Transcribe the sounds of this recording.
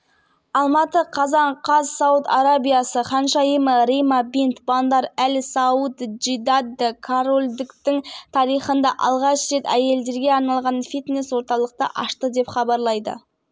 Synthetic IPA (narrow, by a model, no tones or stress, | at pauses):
ɑlˠmɑt̪əqʰɑzɑɴqʰɑzsɑwʊt̪aɾabijasəqɑnʃɑjəməɾimabint̪bɑnd̪ɑɾælɪsɑut̪d͡ʒid̪ad̪ɪkʰaɾolʲd̪ɪkt̪ɪŋt̪ʰɑɾijχənd̪ɑʔɑ̰lˠʁɑʃre̞t̪æje̞ld̪e̞ɾɡʲe̞ɑɾnɑlˠʁɑnfit̪neswo̞ɾt̪ɑlˠəq̚t̪ə̰ʔɑʃt̪əd̪e̞pχɑbɑɾlˠɑjd̪ə̰